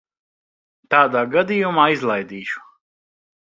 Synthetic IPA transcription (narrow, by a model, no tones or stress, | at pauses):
t̪aːd̪aːɡad̪ijumaːizlˠajd̪iːʃu̥